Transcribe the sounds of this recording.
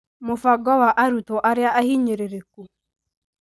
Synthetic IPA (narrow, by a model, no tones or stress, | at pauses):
mofaɡɔwaʔaɾut̪ɔʔaɾeaʔahiɲeɾeɾeku